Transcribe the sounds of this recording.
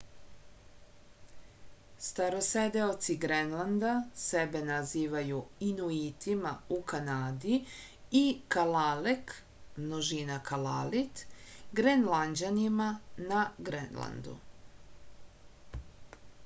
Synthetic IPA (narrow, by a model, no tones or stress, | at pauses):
st̪aɾo̞sed̪eot̪siɡɾenlˠand̪asebenaziːʋajuinuit̪imaukanaːd̪i | ikalalek | mnoʒinakalalit̪ɡɾenland͡ʑanimanaɡɾḛnla̰nd̪ṵ